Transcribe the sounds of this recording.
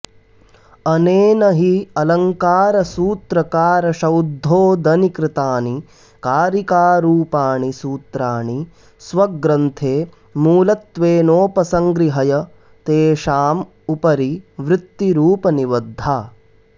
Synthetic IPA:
ɐneːnɐɦiɐlɐŋkaːɾɐsuːt̪ɾɐkaːɾɐʃɐwd̪ʱːoːd̪ɐnikɾɪt̪aːni | kaːɾikaːɾuːpaːɳisuːt̪ɾaːɳi | sʋɐɡɾɐnt̪ʰeː | muːlɐt̪ʋeːnoːpɐsɐŋɡɾiɦɐjɐ | t̪eːʃaːm | upɐɾiʋɾɪt̪ːiɾuːpɐniʋɐd̪ʱːaː

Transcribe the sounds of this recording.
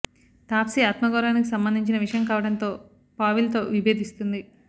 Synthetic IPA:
t̪aːpsiaːt̪mɐɡɔːɾaːnikisɐmbɐnd̪iɲt͡ʃinɐʋiʂɐjɐmkaːʋɐɽɐnt̪o̞ː | paːʋilt̪o̞ːʋibʱe̞ːd̪ist̪und̪i

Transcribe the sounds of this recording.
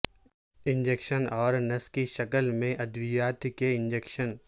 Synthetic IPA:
ɪ̃ɲd͡ʒeːkʃənɔːɾnɐskiʃɐkəlmẽʔɐd̪ʋɪjaːt̪keɪ̃ɲd͡ʒeːkʃən

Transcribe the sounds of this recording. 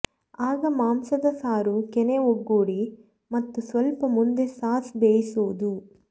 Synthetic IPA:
aːɡɐmaːmsɐd̪ɐsaːɾukeneoɡːuːɽi | mɐt̪ːusʋɐlpɐmund̪e̞saːsbeːjisoːd̪u

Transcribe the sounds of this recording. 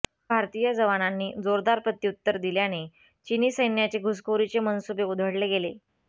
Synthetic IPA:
bʱaɾt̪ijad͡zəʋananːiːd͡zoɾd̪aɾpɾət̪ːjut̪ːəɾd̪iljane | t͡ɕiniːsəjnjat͡ɕeɡʱuskʰoɾit͡ɕemənsubeud̪ʱəɽleɡele

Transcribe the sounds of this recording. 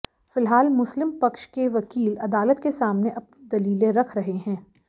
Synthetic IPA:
fɪlɦaːlmʊslɪmpɐkʃkeʋɐkiːlɐd̪aːlət̪kesaːmneʔɐpnid̪ɐliːlẽɾɐkʰɾɐɦeɦɛ̃ː

